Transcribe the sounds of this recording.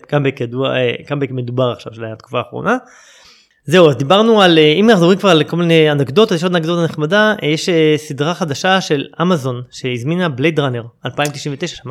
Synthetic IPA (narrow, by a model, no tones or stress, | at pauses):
kambekjad̪ua̰kambekmed̪ubaʁaχʃa̰vʃelaat̪ku̥faːχʁo̞̰na | ze̞uazd̪ibaʁnualeimnaχdoʁimkvaʁalkolminejanaɡd̪o̞t̪vazjeʃod̪anaɡdo̞t̪aneχmadajeʃesid̪ʁaχad̪aʃaʃe̞lamazo̞nʃe̞izminablejtʁaneʁalpaimt̪iʃiɱvet̪eʃḁʃama